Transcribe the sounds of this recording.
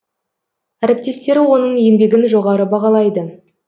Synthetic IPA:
æɾɪp̚t̪e̞st̪e̞ɾwo̞nəɴje̞mbe̞ɡʲɪnʒo̞ʁɑɾəbɑʁɑlˠɑjd̪ə

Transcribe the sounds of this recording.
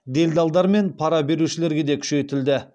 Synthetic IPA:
d̪e̞ld̪ɑlˠd̪ɑɾme̞npʰɑɾɑbe̞ɾuʃɪle̞ɾɡʲe̞d̪e̞kʲʰʏ̥ʃe̞jt̪ɪld̪ɪ

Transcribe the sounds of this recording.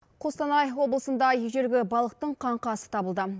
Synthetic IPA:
qʰost̪ɑnɑjfwo̞blˠəsənd̪ɑjʒeɾɡʲɪbɑlˠəq̚t̪əɴqʰɑɴqɑsə̥t̪ʰɑbəlˠd̪ə

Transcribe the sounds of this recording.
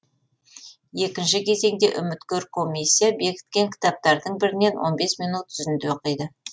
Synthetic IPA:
je̞kʲɪnʃɪkʲʰe̞ze̞ŋd̪e̞̰ʔʏ̰mɪt̪kʲɵɾkʰo̞mʲijsʲːijabe̞kʲɪ̥t̪kʲe̞ŋkʲʰɪ̥t̪ɑp̚t̪ɑɾd̪əɴbɪɾɪne̞nwʔo̞̰nbe̞smijnut̪ʰːʏzɪnd̪eoqəjd̪ə

